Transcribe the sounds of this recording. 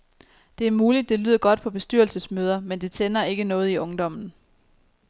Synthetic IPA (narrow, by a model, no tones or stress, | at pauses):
d̥e̝æɐmuːlid̥ːe̝lyð̞̰ˠɐɡ̥ɒ̽d̥̚pʰɒ̽b̥e̝sd̥yɐlsəsmøːð̞ˠɐmend̥e̝t͡sʰenɐe̝ɡ̥ənɔ̽ːð̞̩ˠiʔɔ̽ŋd̥ɒ̽m̰n̩